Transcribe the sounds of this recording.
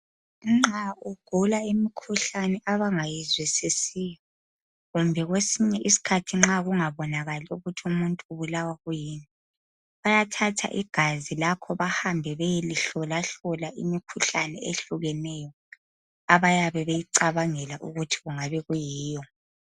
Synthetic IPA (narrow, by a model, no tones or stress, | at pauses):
ŋ͡ǁauɡ̥ʱulaimikʰuɬanɛʔaβaŋajizwisisijɔ | ɣumbʱɛɣwesiɲɛʔisi̥kʰatʰiŋ͡ǁaɣuŋaβɔnaɣaliuɣutʰiumuntʼuːβulawaɣujiːni | βajatʰatʰa̰ʔiɡ̥ʱazilakʰɔβahambʱɛβejeliɬɔlaɬɔlaʔḭmikʰuɬanɛeɬuɣɛnɛjɔ | aβajaβɛβejiǀaβaŋɛlaʔuɣutʰi̥ɣuŋaβɛɣujiːjɔ